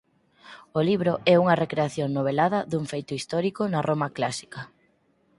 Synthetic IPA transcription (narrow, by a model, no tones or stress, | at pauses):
oliβ̞ɾoɛuŋɐrekɾeaθjoŋnoβ̞elaðɐðuŋfejt̪ʊist̪ɔɾikonɐrʔomɐklasi̥kɐ